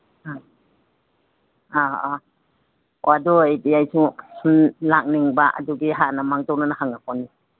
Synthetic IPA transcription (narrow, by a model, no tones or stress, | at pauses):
a | aa | adɔejtiajsu | lak̚niŋbɐʔɐ̰duɡiɦanɐmaŋzɔwnanahaŋapʰɔnːi